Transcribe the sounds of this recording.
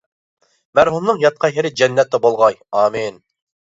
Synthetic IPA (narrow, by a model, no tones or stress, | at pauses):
mæɾɦumnɨŋjɑt̪̚qʰɑjɦɛɾɪd͡ʒɛnːɛt̪ːɛbolˠʁɑjɑːmin